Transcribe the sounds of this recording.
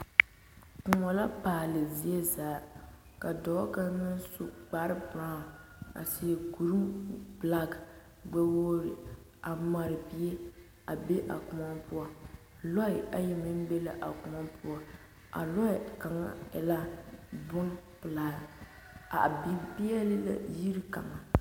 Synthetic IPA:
kʊ˨ŋɔ˨la˦paː˨lɨ˨zi˦e˦zaː˨ | ka˨dɔ˨˦ka˦nɨ˦n˦su˨ɡ͡ba˨˦ɾɨ˦bɾa˦˨a̰˨si˨ku˨ɾɨ˦mbla˦ɡ | ɡ͡ba˦woː˦ɾɪ˨ | a˨ma˨ɾɨ˨bi˦e˦ | a˨be˦ʔa̰˨kʊ˨ma˦mpʰʊ˦a˨ | lɔ˦ɪ˨a˦ji˨mi˦m˦be˦la˨ʔa˨kʊ˨ŋɔ˦pʊ˦a˨ | ʔa̰˨lɔ˦ɪ˨ka˨ŋa̰˦ɛ̰˨la˦bʊ˦nplaː˨˦ | a˨bi˦pi˦ɛ˦lɨ˦la̰˨ji˦ɾi˦ka̰˨ŋa˨

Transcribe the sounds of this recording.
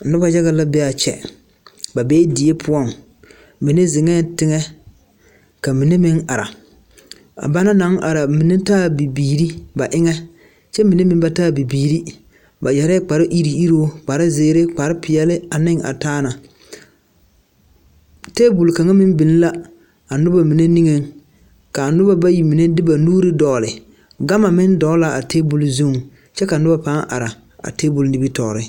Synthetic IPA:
nʊ˦ba˨d͡ʒa˦ɣa˦la˦bɛ˦a˨t͡ʃɛ̰˨ | ba˨beː˦di˨je˦pʰʊ˦ɔ˦˨ŋ | mi˨ne˦zɪ˨ŋɛ˦tɪ˦ŋɛ˦ | ka˨mi˨ne˦mɪ˦ŋa˨ɾa̰˨ | a̰˨ba˦na˦na˨˦ŋʔa˨ɾa˨mi˨ne˦taː˦˨bi˨biː˨ɾi˦ba˨ʔɪ˦ŋɛ˦ | t͡ʃɛ˦mi˨ne˦mɪ˦m˦ba˦taː˦˨bi˨biː˨ɾi˦ | ba˨jɛ˨ɾɛ˦k͡pa˨ɾɪ˦ʔi˦ɾi˨i˦ɾoː˦k͡pa˨ɾɪ˦zɪː˨˦ɾe˦k͡pa˨ɾɪ˦pɪ˨jɛ˨lɪ˦a˨nɪ˦ŋa̰˨taː˦na˨ | teː˦bu˨lka˨ŋa˦mɪ˦m˦bɪ˨n˦la˦ | a˨nʊ˦ba˨mi˨ne˦ni˦ŋe˨ŋ | ka˨nʊ˦ba˦ba˦ji˨mi˨ne˦dɪ˦ba˨nuː˦ɾɪ˦dɔ˨lɪ˨ | ɡa˦ma˨mɪ˦ndɔ˨˦la˨a˨teː˦bu˨lzu˦ŋ | t͡ʃɛ˦ka˨nʊ˦ba˦pa˦ʔa̰˨ɾa˨ | a̰˨te˦bu˨lnɪ˦bi˦tɔː˨ɾɪ˦

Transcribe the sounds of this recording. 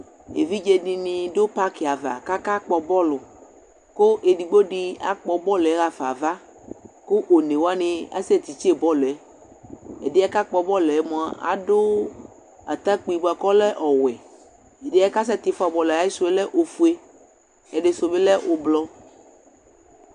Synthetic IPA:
ḛ˨vi˦d͡ʒe˦ni˨nĩ˨do˦pa˦ki˨a˨va̰˨ka˦ka˦k͡pɔ˨bɔ˦lʊ˨ | ko˦ʔe˨ɖi˨ɡ͡bo˦ɖi˦a̰˨k͡pɔ˨bɔ˦lɛ˦ɣa˨fa̰˨va˦ | ko˦ʔo˨ne˨wo˦a˦nẽ˨a̰˦sɛ˦t̪i˨t͡ʃe˦˨bɔ˦lɛ˦ | ḛ˨de˦a˦ka˦k͡pɔ˨bɔ˦lɛ˦mɔ̃˨a˨ʔa̰˨do˦ | a̰˨t̪a˦k͡pi˨ɡ͡bu˨a˨kɔ˦lɛ˦ʔɔ˨wɛ˨ | e˨de˨˦a˦ka˦s̬ɛ˦t̪i˨fa˨bɔ˨la˨ji˦so˨be˦lɛ˦ʔo˨fu˦e˦ | e˨ɖe˨so˨be˦lɛ˦ʔo˨blɔ˦

